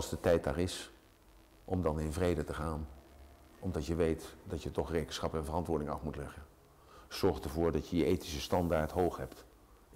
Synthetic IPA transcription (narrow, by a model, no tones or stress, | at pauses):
ɑlˠzdətɛjt̚da̰ːrɪs | ʔɔmdɑnɪnvrejdətəχaːn | ɔmdɑtjəʋejtdɑtjətɔχrejkənsχɑpɛnvərɑntʋʊːɹdɪŋɑ̰fmutlɛχən | z̥ɔɹχtəɹvʊːɹdɑtjəjəʔejtisəstɑndaːɹtɦowχɦɛpt